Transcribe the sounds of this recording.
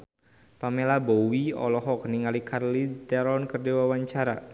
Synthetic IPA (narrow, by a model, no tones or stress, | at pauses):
pamelabowiɔ̰lɔɦɔkniŋalikʰarlist̪ɛɾɔnkərdewawaɲt͡ʃaɾa̰